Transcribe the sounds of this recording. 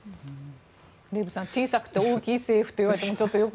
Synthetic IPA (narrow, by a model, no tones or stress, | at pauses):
ɾebɯ̟sãɲt͡ɕiːsakɯ̟̥t̪ːe̞oːkʲiːse̞ːɸɯ̟̥t̪o̞iβaɾe̞t̪emot͡ɕo̞t̪ːojo̞k